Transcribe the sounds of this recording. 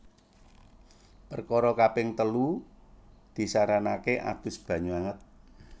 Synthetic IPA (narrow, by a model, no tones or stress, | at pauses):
pərkɔɾɔkapɪŋt̪əlu | d̪̥i̤saɾanakeʔa̰d̪̥ʊ̤sb̥ä̤ɲuaŋət̪̚